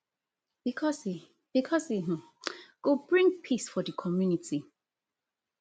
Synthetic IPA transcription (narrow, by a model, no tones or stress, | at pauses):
b̥ikʰɔsi | b̥ikʰɔsiɦ̩ | ɡ̥obɹĩŋpʰisfɔdəkʰɔmjunitʰi